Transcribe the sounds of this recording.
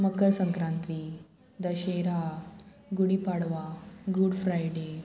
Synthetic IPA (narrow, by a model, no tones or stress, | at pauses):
məkːəɾsə̃ŋkɾãnt̪ɾi | d̪əɕeɾa | ɡuɽipaɽʋaɡuɽfɾajɖe